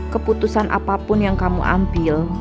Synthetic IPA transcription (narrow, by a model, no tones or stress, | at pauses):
kəput̪usanʔa̰papʊnjaŋkamṵʔa̰mbɪl